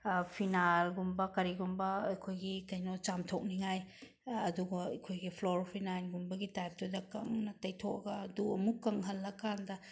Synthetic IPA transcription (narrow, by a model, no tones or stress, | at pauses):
pʰinalɡumbɐkɐɾiɡumbɐːjkʰojɡikɐjnɔt͡ʃamtʰok̚niŋajː | duɡɐjkʰojɡipʰloɾpʰinajnɡumbɐɡitajp̚tudɐkaŋnɐtɐjtʰok̚ɐɡɐːduɐmukːɐŋɦɐlːɐkandɐ